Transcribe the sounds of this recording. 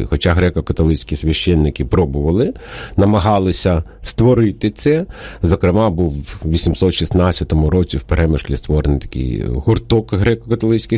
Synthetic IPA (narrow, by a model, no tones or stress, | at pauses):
xɔt͡ʃaɦɾɛkɔkɐt̪ɔlˠɪt͡ʃʲsʲkʲisʲʋʲɐʃt͡ʃɛnːɪkɪpɾɔbʊʋɐlˠɪnɐmɐɦɑlˠɪsʲɐ | st̪ʋɔɾɪt̪ɪt̪sɛzɔkɾɪmɑbuwʋʲisʲimsɔt̪ʃisnɑt͡sʲːɐt̪ɔmʊɾɔt͡sʲiwpeɾʔɛmɪʃlʲist̪ʋɔɾenjt̪ɐ̥kɪ̰jɦʊrt̪ɔkɦɾɛkɔkɐt̪ɔlˠɪt͡sʲkɪ